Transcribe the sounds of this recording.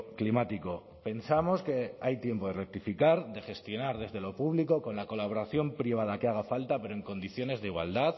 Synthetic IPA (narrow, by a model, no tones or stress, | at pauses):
klimat̪iko̞ | pe̞nsamo̞ske̞ajt̪je̞mpo̞ðe̞rek̚t̪ifikaɾd̪e̞xe̞st̪jo̞naɾðe̞zðe̞lo̞puβliko̞ko̞nlako̞laβ̞o̞ɾaθjo̞mpɾiβ̞að̞akeaɣ̞afalt̪ape̞ɾoe̞ŋko̞nd̪iθjo̞ne̞zðeiɣwa̰ld̪að